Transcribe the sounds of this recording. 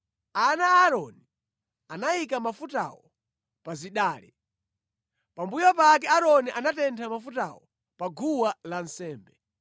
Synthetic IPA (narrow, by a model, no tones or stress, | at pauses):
anaːɾɔni | anajikamafuta̰wɔ | paziɗaːli | pambujɔpakɛaɾɔniʔanatɛntʰamafuta̰wɔ̰ | paɡʱuwalansɛːmbɛ